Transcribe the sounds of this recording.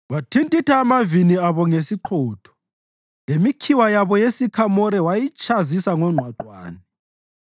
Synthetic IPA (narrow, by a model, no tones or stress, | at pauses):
watʰintʼitʰaːmaviniaβɔŋesiǃʰɔːtʰɔ̥ | lemikʰiwajaβɔjesikʰamɔɾɛwajit͡ʃʰʼazisaŋɔŋ͡ǃʱwaǃwa̰ːni